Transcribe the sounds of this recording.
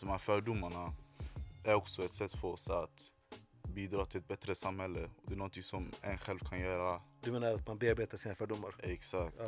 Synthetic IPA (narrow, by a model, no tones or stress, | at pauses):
d̪ɔmhæːɾfœːɖʊmːaɳa | æɾɔksɔɛt̪sɛt̪ːfœɾɔsat̪ | biːd̪ɾɑːt̪ʰɪlɛt̪̚bɛt̪ːɾəsamhɛlːəɔd̪ɛæːnɔnt̪ɪŋsɔmɛnɧɛlvkʰanjœːɾad̪ɵmeːnaɾat̪manbeːaɾbeːt̪aʂsiːnafœːɖʊmːaɾɛksakt̪